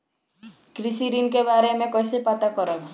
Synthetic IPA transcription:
kɾisiɾinkebaɾemẽkɔjsepat̪akɔɾɔ

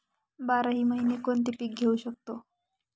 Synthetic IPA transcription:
baɾaɦiməɦinekont̪ipik̚ɡʱewɕək̚t̪o

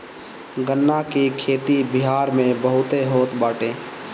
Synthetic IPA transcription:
ɡənːakikʰeːt̪ibɪɦaːɾmẽbəɦʊt̪eɦoːt̪baːʈẽː

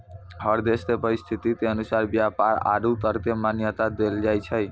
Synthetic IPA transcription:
ɦəɾd̪est̪epəɾist̪ʰit̪it̪eənusaɾbjapaɾa̰ɖut̪əɾt̪emanjət̪ad̪eld͡ʒajt͡ʃʰəj

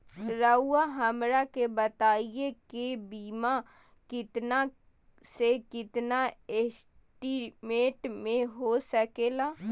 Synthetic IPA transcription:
ɾəuaɦɐmɾakebɐt̪aːijekebiːma | kɪt̪na | sekɪt̪naesʈimẽːʈmẽɦosɐkeːlaː

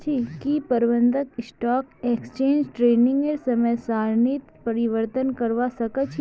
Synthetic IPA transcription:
t͡ʃʰikipəɾʋənd̪ʱəksʈɔkekst͡ʃẽɲd͡ʒʈɾeniŋɡeɾsəməjsaɾnit̪pəɾiʋəɾt̪ənkəɾʋasəkət͡ʃʰ

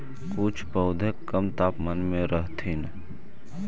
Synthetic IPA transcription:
kut͡ʃʰpəːd̪ʱekːɐmt̪aːpmənmẽɾəɦt̪ʰiːn

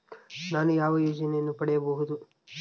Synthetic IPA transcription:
naːnujaːʋɐjoːd͡ʒɐnejɐnːupɐɽɛjɐbɐɦud̪u

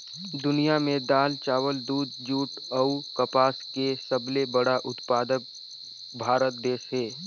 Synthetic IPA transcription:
d̪ʊnijamẽd̪aːlt͡ʃaːʋəld̪uːd̪̚d͡ʒuːʈ | əukəpaːskesəblebəɽaʔʊt̪paːd̪ək̚ | bʱaːɾət̪̚d̪eːʃɦeː

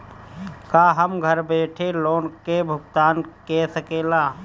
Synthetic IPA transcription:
kaːɦəmɡʱəɾbeːʈʰeloːnkebʱʊɡt̪aːnkesəkeːlaː

